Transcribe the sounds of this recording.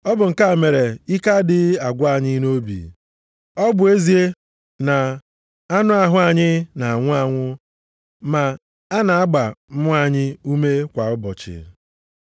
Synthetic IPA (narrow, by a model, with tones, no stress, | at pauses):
ɔ˦bʊ˨ŋ̩˨ka˦˨me˨ɾe˨i˦ka˦dɪ˨a˨ɡʷa˨ɲɪ˦no˦bḭ˨ | ɔ˦bʊ˨e˦zi˦e˦ | na˨ | a˦nʊ˦a˨ɦʊ˦a˨ɲɪ˦na˨ŋʷʊ˦a˨ŋʷʊ˦ | ma˨ | a˦na˨a˦ɡ͡ba˨m̩˦ʊ˦a˨ɲɪ˦u˦me˦kʷa˨ʊ˦bɔ˨t͡ʃɪ̰˨